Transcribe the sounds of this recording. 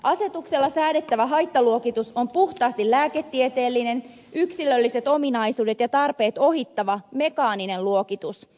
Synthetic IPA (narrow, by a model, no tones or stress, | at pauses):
ʔɑse̞t̪ukse̞lːɑsæːde̞t̪ːæʋæɦɑjt̪ːɑluo̞kit̪uso̞mpuht̪ɑːst̪illæːke̞t̪ːiet̪e̞ːlːine̞n | yksilølːise̞t̪o̞minɑjsuːde̞t̪jɑt̪ɑrpe̞ːt̪o̞ɦit̪ːɑʋɑme̞kɑːnine̞nluo̞kit̪us